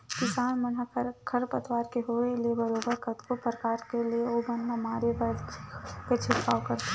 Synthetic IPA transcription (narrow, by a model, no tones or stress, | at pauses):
kɪsaːnmɐnɦakʰɾkʰɐɾpət̪ʋaːɾkeɦoeliebɐɾoːbəɾkət̪kopɾəkaːɾkelieobənːamaːɾebə | ket͡ʃʰɪkːa̰ːwkɐɾt̪e